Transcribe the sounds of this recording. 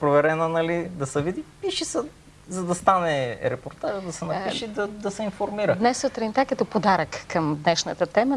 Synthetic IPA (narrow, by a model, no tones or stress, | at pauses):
pɾovɛɾɛnənɐlid̪ɐsɛvid̪ipiʃisɛ | zɐd̪ɐst̪anɛɾɛpoɾt̪aʒəd̪ɐsɛnɐpiʃid̪ɐd̪ɐsɛinfoɾmiɾəd̪nɛsot̪ɾɛnt̪akət̪ɔpod̪aɾəkːɐmd̪nɛʃnət̪ət̪ɛmə